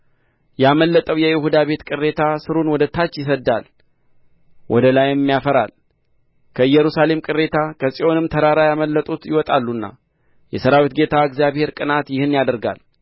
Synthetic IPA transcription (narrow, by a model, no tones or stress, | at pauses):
jaməlːət̪ʼəwjɛjɪhud̪aβe̞t̪kʼɨrːe̞t̪ʰasɨɾunwɔd̪ət̪ʰːat͡ʃːjɪsəd̪ːal | wʔɔ̰d̪əlajɪmːijafəɾa̰l | kʰəɨjɛɾusale̞mkʼɨre̞t̪ʰakʰəsʼio̞nɨmt̪ʰəɾaɾajaməlːət̪ʼut̪jɪwɔt̪ʼalːunːa̰ | jɛsəɾawit̪ɡe̞t̪ʰaɨɡzijaβhe̞ɾkʼɨnat̪jɪhɨnːjad̪əɾɡa̰l